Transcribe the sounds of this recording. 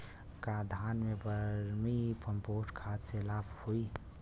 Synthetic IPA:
kad̪ʱaːnmẽbəɾɾmipʰəmpoːʈkʰaːt̪selaːpʰhoi

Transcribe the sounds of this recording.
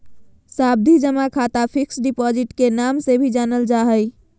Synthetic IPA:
sab̚d̪ʱid͡ʒəmakʰat̪apʰiksɖipɔd͡ʒiʈkenamsebʱid͡ʒanəld͡ʒaɦəj

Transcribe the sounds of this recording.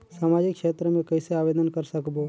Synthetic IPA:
saːmaːd͡ʒɪkːʃeːt̪ɾəmẽkəɪseaːʋeːd̪ənkəɾsəkbo

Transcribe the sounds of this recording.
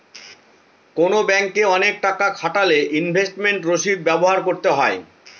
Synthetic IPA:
konobɛŋkeɔnek̚ʈakakʰaʈaleʔinbʱesʈmeɳʈɾoʃid̪̚bɛboɦaɾkoɾt̪eɦɔe

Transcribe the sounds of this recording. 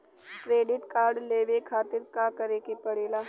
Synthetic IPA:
kɾeːɖɪʈkaːɾɖleːʋekʰaːt̪ɪɾkakɐɾeːkepɐɽeːlaː

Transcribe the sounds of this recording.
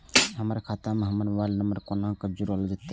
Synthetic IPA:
ɦəmɾakʰat̪amẽɦəmənʋalnəməɾkonãkəd͡ʒuɾɦold͡ʒat̪ːe

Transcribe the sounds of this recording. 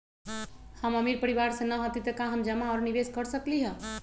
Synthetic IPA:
həməmiɾpəɾiβaɾsẽnəɦot̪it̪əkãɦəmd͡ʒəmaɔɾniʋeskəɾsəkliɦə̃

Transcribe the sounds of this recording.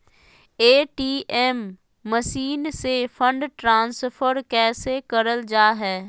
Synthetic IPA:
eːʈiːʔɛːmː | əʃiːnsefʰə̃ɳɖʈɾãːnsfʰəɾkɛːsekəɾəld͡ʒaːɦɛː

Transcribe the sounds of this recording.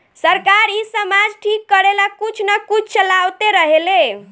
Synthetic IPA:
səɾkaɾisəmad͡ʒʈʰikːəɾelakut͡ʃʰnakut͡ʃʰt͡ʃəlawt̪eɾəɦele

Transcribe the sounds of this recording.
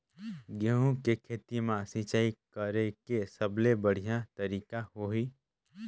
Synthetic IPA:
ɡəɦũkekʰeːt̪imãsĩt͡ʃaːikəɾekesəblebəɽ̤ijat̪əɾiːkaɦoɦiː

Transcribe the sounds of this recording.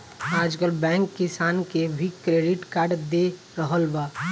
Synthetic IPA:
aːd͡ʒkəlbɛ̃ŋkːɪsaːnkebʱikɾeɖɪʈkaːɾɖd̪e | ɾəɦəlba

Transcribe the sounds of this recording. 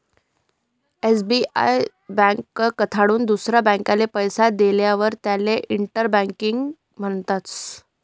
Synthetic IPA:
esbia̰j | bə̃ŋkːkət̪ʰaɽuːnd̪usɾjabə̃ŋkalepəjsad̪eljaʋəɾt̪jaleʔiɳʈəɾbãŋkiŋɡ | m̤əɳt̪at͡s

